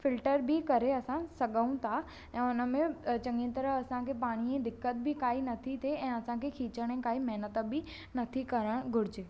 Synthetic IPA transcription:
fɪlʈəɾbʱikɐɾeɐsãsɐɠəũt̪ʰa | ɛ̃ːʊnə̆mẽt͡ɕɐ̃ŋɡĩt̪ɐɾəɦɐsãkʰepaːɽ̃iẽd̪ɪkːət̪̚bʱikaːinɐt̪ʰit̪ʰeɛ̃ːɐsãkʰekʰiːt͡ɕəɽ̃ẽkaːimɛɦnət̪bʱi | nɐt̪ʰikɐɾəɽ̃ɡʱʊɽɪd͡ʑeː

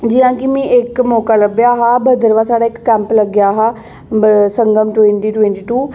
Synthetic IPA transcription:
d͡ʑijãkimĩʔekmɔːkalɐbjaɦabɐd̪ʱəɾʋasaːɽaɪkːɛ̃ːmplɐɡjaɦa | sɐ̃ŋɡəmʈʊwẽɳʈiʈwẽɳʈiʈuː

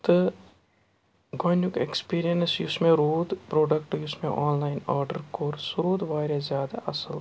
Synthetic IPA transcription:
t̪ | ɡoːjnʊkḛkspiːɾijənsjʊsmẽɾoːd̪pɾoːɖəkʈjʊsmẽʔɔːnlaːɪnaːɾɖəɾkoːɾsɾoːd̪ʋaːɾezjaːd̪aʔɐsəl

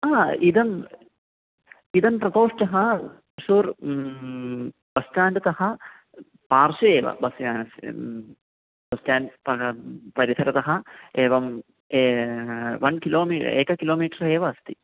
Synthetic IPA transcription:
aːid̪ɐm | id̪ɐmpɾɐt̪oːʂʈɐɦɐ | uʂuːɾ | bɐsʈaːnɖɐt̪ɐɦɐ | paːrʃueːʋɐ̰bɐsjaːnɐs | bɐsʈaːnpɐpɐɾit̪ʰɐɾɐt̪ɐɦɐeːʋɐm | e | ʋɐnkiloːmḭːeːkɐkiloːmiːʈɐɾeːʋɐːst̪i

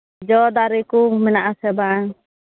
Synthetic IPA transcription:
d͡ʒɔd̪aɾikumɛnaʔasɛbaŋ

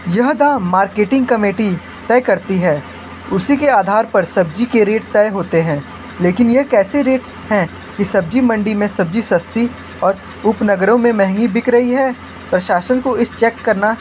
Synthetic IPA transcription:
jɐɦd̪amaːɾkeːʈɪ̃ŋɡ̚kɐmeːʈi | t̪ɛːkɐɾt̪iɦɛː | ʊsikeaːd̪ʱaːɾpɐɾsɐb̚d͡ʒikeɾeːʈt̪ɛːɦoːt̪eɦɛ̃ː | leːkɪnjɐɦkɛːseɾeːʈ | hɛ̃ | kisɐb̚d͡ʒimɐ̃ɳɖimẽsɐb̚d͡ʒisɐst̪i | ɔːɾ | ʊpnɐɡəɾõmẽmɛɦŋɡibɪkɾɐɦiɦɛː | pɾɐʃaːʃənkoɪst͡ʃɛːkːɐɾna

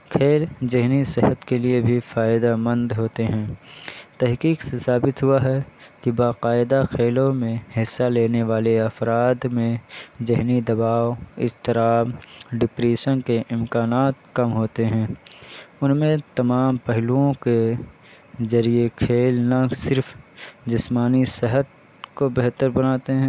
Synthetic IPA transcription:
kʰeːld͡ʒɪɦnisɪɦət̪keliebʱifaːɪd̪amə̃nd̪ɦoːt̪eɦɛ̃ːt̪ɛɦqiːqsesaːbɪt̪ɦʊaɦɛkibaːqaːɪd̪akʰeːlõmẽhɪsːaleːneʋaːleɐfɾaːd̪mẽd͡ʒɪɦnid̪ɐbaːoɪ̰st̪ɪɾaːmɖɪpɾeːʃənkeʔɪmkaːnaːt̪̚kɐmɦoːt̪eɦɛ̃ː | ʊnmẽt̪ɐmaːmpɛɦluõke | zɐɾiekʰeːlnasɪɾfd͡ʒɪsmaːnisɪɦət̪̚ | kobɛɦt̪əɾbɐnaːt̪eɦɛ̃ː

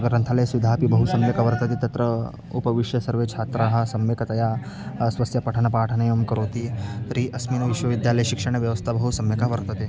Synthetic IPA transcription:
ɡɾɐnt̪ʰalɐjsʋid̪ʱapibɐɦusɐmjekaʋɐɾt̪ɐt̪it̪ɐt̪ɾə | upɐʋiʂjɐsɐɾʋet͡ʃʰaːt̪ɾaɦɐ̆sɐmʋekɐt̪ɐja | sʋɐsjɐpɐʈʰɐnɐpaːʈʰɐnɐjɐmkɐɾot̪iɾiʔɐsmiːnʋiʃʋɐʋid̪jalɐjʃikʂɐɳ̃eʋjɐʋɐst̪ʰabɐɦusɐmjɐkaʋɐɾt̪ɐt̪e

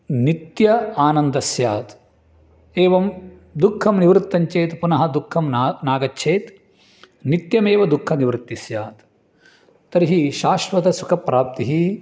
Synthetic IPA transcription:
nit̪jɐaːnɐnd̪ɐsjaːt̪ | eːʋɐm | d̪ukʰːɐmniʋɾɨt̪ːɐɲt͡ʃeːt̪punɐɦɐd̪ukʰːɐmnaːɡɐt͡ʃːʃʰeːt̪ | nit̪jɐmeːʋɐd̪ukʰːɐniʋɾɨt̪ːisjaːt̪ | t̪ɐɾiɦiʃaːʃʋɐt̪ɐsukʰɐpːɾaːp̚t̪iɦi

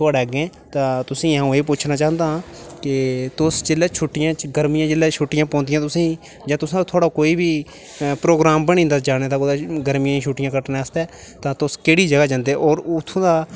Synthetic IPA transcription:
t̪oaːɽeːɡẽː | t̪ãːt̪ʊsĩːaũːeːpʊt͡ʃʰnaːt͡ʃaːnd̪aːãːkɪt̪ʊsd͡ʒelɛːt͡ʃʰʊʈːɪjãːt͡ʃɡəɾmɪjãːd͡ʒɪlɛːt͡ʃʰʊʈːɪjãːpɔ̃ːnd̪ɪjãːt̪ʊsĩː | d͡ʒãːt̪ʊsãːt̪ʰoːɽakoːiːbiː | pɾoːɡɾaːmbəñĩːnd̪aːd͡ʒaːnẽːd̪aːkoːd̪aɡəɾmijãːʃʰuʈːɪjãːkəʈneːst̪ɛː | t̪ãːt̪ʊskeːɽiːd͡ʒəɡaːd͡ʒãːnd̪eːʔɔːɾʊt̪ʰːõːd̪aː

